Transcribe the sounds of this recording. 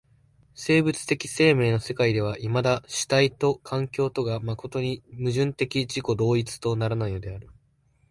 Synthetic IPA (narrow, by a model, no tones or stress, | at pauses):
se̞ːbɯ̟t͡sɨ̥t̪e̞kʲi̥se̞ːme̞ːno̞se̞kaid̪e̞β̞aʔimad̪aɕi̥t̪ait̪o̞kʰãŋkʲo̞ːt̪o̞ɡamako̞t̪o̞ɲ̟imɯ̟ʑɨ̃nt̪e̞kʲiʑiko̞d̪o̞ːit͡sɨ̥t̪o̞naɾanaiod̪e̞aɾɯ̟